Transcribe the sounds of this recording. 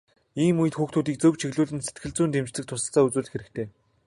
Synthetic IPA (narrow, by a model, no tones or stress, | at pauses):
iːmujɘ̆t̪xuːxt̪ʰuːt̪iːk̚t͡sɵwt͡ɕʰiɣɮuːɮɘ̆nse̥t̪ɡɘ̆ɮt͡suːnt̪emt͡ɕt͡sɘ̆k̚t̪ʰʊsə̆ɬt͡saːut͡suːɮ̆xeɾɘ̆kt̪ʰeː